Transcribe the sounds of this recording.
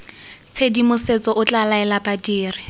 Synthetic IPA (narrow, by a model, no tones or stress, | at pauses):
t͡sʰedimʊset͡sʼɔʔʊt͡ɬalaɛlapadiːrɪ